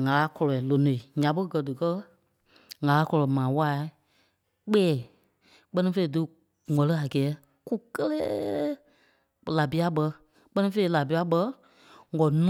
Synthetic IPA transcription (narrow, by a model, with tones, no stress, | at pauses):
ŋa˨la˧˦kɔ˧lɔ˨i˨lo˨nõ˨i˨ɲã˨˦ɓə˦ɡɜ˨dɨ˨kɜ˦ | ŋa˨la˦kɔ˧lɔ˨mãː˨wa˦ | k͡pɛː˦˨ | k͡pɜ˦nĩ˧˦fe˧i˨dɨ˧ | ŋɔ̃˨lɨ˦a˨ɡɛː˨˦ | ku˦kə˦leː˦ | la˨bi˨˦a˦ɓɜ˧ | k͡pə˦nĩ˦fe˧˦i˨˦˨la˨bi˨˧˦a˦ɓə˧˦ | ŋɔ˨n